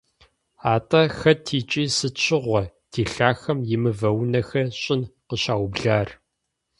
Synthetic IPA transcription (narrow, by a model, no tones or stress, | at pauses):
aːtʼɐxɐtʰiːt͡ʃʼiːsɨt͡ʃʰɪʁʷɔtʰiːɬaːxɐmjɪmɨvɐwnɐxɐɕʼɪnqəɕaːwbɮaːr